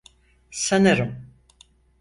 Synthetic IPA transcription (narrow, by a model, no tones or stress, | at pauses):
sanɯɾɯm